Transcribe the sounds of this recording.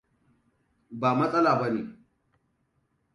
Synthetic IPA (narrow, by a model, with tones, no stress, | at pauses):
baː˨mɐ˦sʼɐ˦laː˨ba˦nḛː˨